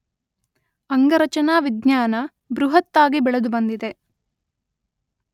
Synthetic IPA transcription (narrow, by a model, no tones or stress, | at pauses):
ɐŋɡɐɾɐt͡ʃɐnaːʋid̪ɲaːnɐ | bɾuɦɐt̪ːaːɡibɛɭɐd̪ubɐnd̪id̪e̞